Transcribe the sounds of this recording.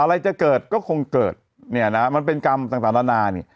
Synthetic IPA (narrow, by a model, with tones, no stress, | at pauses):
ʔa˧ɾa˧jt͡ɕa˨˩kɤː˨˩t̪̚kɔː˥˩kʰo˧ŋkɤː˨˩t̪̚ | ni˥˩ɐna˦˥ma˧np̬e˧nka˧mt̪aː˨˩ŋt̪a˨˦na˦˥naː˧nḭ˦˩